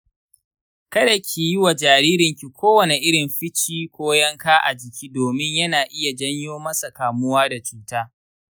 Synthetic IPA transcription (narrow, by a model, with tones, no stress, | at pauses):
kɐ˦da˨kʲʰiː˨jɪ˦wa˨d͡ʒaː˨ɾiː˦ɾɪ˨ŋkʲi˨kʷoː˦wɐ˨ne˨ʔɪ˦ɽɪ˨mɸɪ˦t͡ʃiː˦kʷoː˦jɐ˦ŋkaː˦ʔa˨d͡ʒɪ˨kʲiː˦doː˨mɪ˦ɲjɐ˦naː˨ʔɪ˦ja˨d͡ʒɐ˦ɲjoː˦mɐ˦sa˨kaː˨mʊ˦waː˦da˨t͡ʃuː˦taː˦